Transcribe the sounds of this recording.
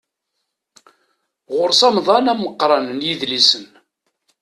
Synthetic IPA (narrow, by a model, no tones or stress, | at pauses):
ʁʊɾsɑmðˤɑnæmːəqːɾˤɑnənjiðlisən